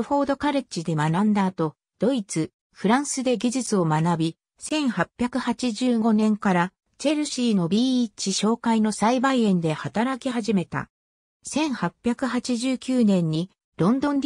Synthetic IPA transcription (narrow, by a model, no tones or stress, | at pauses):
ho̞ːd̪o̞kaɾɯt͡ɕid̪e̞manãnd̪aːt̪o̞ | d̪̥o̞it͡sɨ | ɸɯ̟ɾãɰ̃sɨd̪e̞ɡʲiʑɨt͡sɨo̞manabʲi | sẽ̞ɰ̃hapʲːjakɯ̟hat͡ɕiʑɨːɡo̞nẽ̞ŋkaɾa | t͡ɕe̞ɾɯ̟ɕiːno̞bʲiːt͡ɕiɕo̞ːkaino̞saibaiẽ̞nd̪e̞hat̪aɾakʲiɦaʑime̞t̪a̰ | sẽ̞ɰ̃hapʲːjakɯ̟hat͡ɕiʑɨːkʲɨːnẽ̞ɲ̟ːi | ɾõ̞nd̪õ̞ɲd̪ʲ